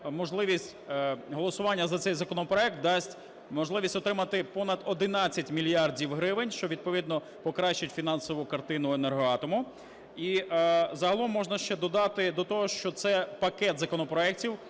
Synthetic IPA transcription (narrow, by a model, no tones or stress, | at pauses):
mɔʒlˠɪʋʲisʲtʲɦɔlˠɔsʊʋɑnʲːɐzɐt̪sɛjzɐkɔnɔpɾɔɛk̚t̪̚d̪ɑsʲtʲ | mɔʒlˠɪʋʲisʲtʲɔt̪ɾɪmɐt̪ɪpɔnɐd̪ɔd̪ɪnɑt͡sʲːɐtʲmʲilʲijɑrdʲiwɦɾɪʋɪnʲʃt͡ʃɔʋʲid̪̚pɔʋʲid̪nɔ | pɔkɾɑʃt͡ʃɐtʲfʲinɑnsɔʋʊkɐrt̪ɪnʊenerɦɔɑt̪ɔmʊ | izɐɦɐlˠɔmːɔʒnɐʃt͡ʃɛd̪ɔd̪ɑt̪ɪd̪ɔt̪ɔɦɔʃt͡ʃɔt̪sɛpɐkɛt̪zɐkɔnɔpɾɔɛk̚tʲiw